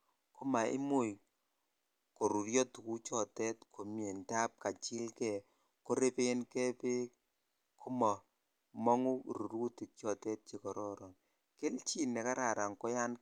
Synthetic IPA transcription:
ku˦ma˨ʔḭ˦mʊ˦˨j | ko˨ɾu˨ɾjɔ˦tu˨ku˦t͡ʃɔ˨tɛ˦tkʰo˨mje˨nta˦p̚ka˨t͡ʃɪ˦lkɛ˨ | ko˦ɾe˦pe˦nkɛ˦pe˦ | ku˦mɔ˨ | mɔ˦ŋu˦˨ɾu˨ɾu˦ti˨t͡ʃɔ˨tɛ˦t̚t͡ʃe˨kɔ˨ɾɔ˦ɾɔ˨n | ke˦lt͡ʃi˦nɛ˨ka˦ɾa˨ɾa˨ŋkɔ˦ja˦n

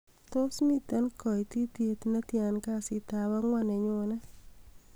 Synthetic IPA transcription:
t̪o˦smi˦t̪a˦nkɔ˨ti˦t̪je˦t̪na˦tja˨nka˦˨sɪ˨t̪a˨wa˦ŋwɔ˦nɛ˨ɲʊ˨na˦

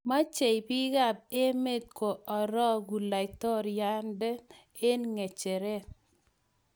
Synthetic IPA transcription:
ma˦t͡ʃe˨jpi˦ɡa˦˨b̚e˦me˦t̪̚ko˨ɔ˨ɾɔ˦ɡu˨la˨ɪ˨t̪ɔ˦ɾja˦ndɛ˦ | e˦nŋe˨t͡ʃe˨ɾe˦

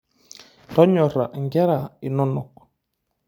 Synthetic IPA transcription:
tɔ˦ɲɔ˨ɾa˨ʔŋɡɛ˦ɾa˨i˨nɔ˦nɔ˨k̚

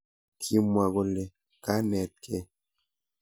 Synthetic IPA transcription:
kʰi˦mwa˨ɡo˦le˨ | ka˦nɛ˨t̪̚kʰe˦

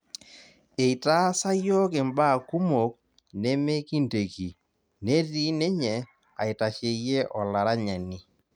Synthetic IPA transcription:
e˨i˨ta˦sa˦jɔ˦kɪ˨mba˦˨ku˦mo˨k̚ | ne˦me˦ki˦nte˨ki˨ | ne˦ti˦ne˦ɲɛ˨ | a̰˨ɪ˨ta˨ʃe˨˦je˦ʔɔ˨la˨ɾa˦ɲa˨ni˦

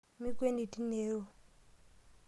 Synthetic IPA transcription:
mi˦kwe˦ni˨ti˦ne˦ɾo˦˨

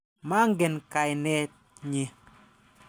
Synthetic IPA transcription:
ma˦ŋɡe˨nka˨jnɛ˦t̚ | ɲɪ˨

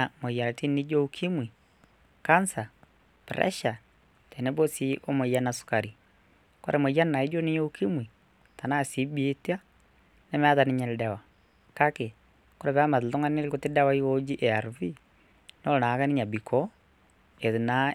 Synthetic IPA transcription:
amo˨ija˨ɾa˨ti˦ni˦d͡ʒo˦ukʰi˦mwi˨ | ka˦nsa˨ | pɾɛ̰˦ʃa˨ | tɛ˨nɛ˦bo˦si˦ʔo˦mo˨ja˦na˨su̥ka˨ɾi˨ | ko˦ɾʔɛ˨mo˨ja˦nna˨i˦d͡ʒo˦ni˦ɲo˦u˦ki˦mwi˨ | ta˨na˦si˨˦bi˦e˦ti˦a˦ | nɛ˦m˦a˦ða˨ni˦ɲa˨le˨da˨wa˨ | ka˦ke˨ | ko˦ɾɛ˨βa˦ma˨ðu˨tɔ˦ŋa˦ne˦le˦ko˨te˦da˦wa˦i˦o˦d͡ʒi˦ʔe˨a˨ɾvi˦ | nɔ˦˨na˨˦ka˦ni˦ɲa˨bi˨kʰɔ˦ | e˨ðu˨na˨˦

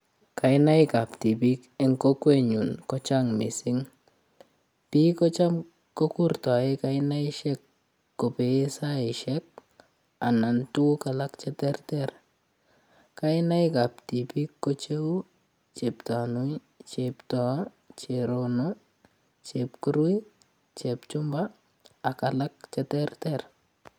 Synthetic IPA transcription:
ka˨ɪna˦ɪka˨pti˨pi˦kɛ˦ŋko˦kwe˦ɲu˨nkɔ˦t͡ʃa˦ŋmɪ˨sɪ˦ŋ | pi˦kɔ˦t͡ʃa˦m | ko˦ku˦ɾta˨ɪ˦ka˦ɪna˦ɪ˦ʃɛ˦kː | o˨pe˨˦sa˦ɪ˨ʃɛk̚ | a˨na˨ntu˦ka˨la˦kt͡ʃɛ˦tɛ˦rtɛ˨ɾ | ka˦ɪna˦jka˨p̚ti˨pi˦kːo˦t͡ʃe˦w | t͡ʃe˨pta˨nu˦i | t͡ʃeptɔ˨ | t͡ʃe˨ɾono | t͡ʃe˨pkuɾu˦i˦ | t͡ʃept͡ʃʊ˦mbaː˦˨ | ka˨la˦k̚t͡ʃɛtɛrtɛɾ

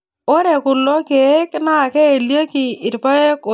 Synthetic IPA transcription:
o˦ɾe˨kʊ˨lɔ˦ke˨˦kna˦˨kɛ˦e˨lje˦kɪ˨ɪ˨ɾpa˦e˦ko˨

